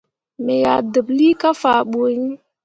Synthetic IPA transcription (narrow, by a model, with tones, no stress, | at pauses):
me˨ja˨də˨bli˦ka˦fa˨ɓo˨ɲi˦